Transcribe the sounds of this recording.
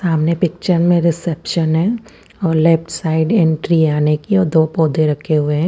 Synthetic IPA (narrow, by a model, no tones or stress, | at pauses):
saːmnepɪk̚t͡ʃəɾmẽɾɪsɛpʃənɦɛ̃ | ɔːɾlɛpʈsaːɪɖɛ̃ɳʈɾiaːnekiɔːɾd̪oːpɔːd̪eɾɐkʰːeɦʊeɦɛ̃ː